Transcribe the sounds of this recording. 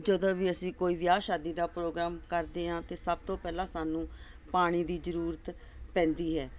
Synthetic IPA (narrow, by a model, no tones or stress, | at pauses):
d͡ʒəd̪õːʋiːəsĩːkoːiːʋɪjaːʃaːd̪iːd̪aːpɾoːɡɾaːmkəɾd̪eːɦãːt̪eːsəb̚t̪õːpɛːlãːsaːnũː | paːɽ̃iːd̪iːzəɾuːɾət̪ | pɛ̃ːnd̪iːɦɛː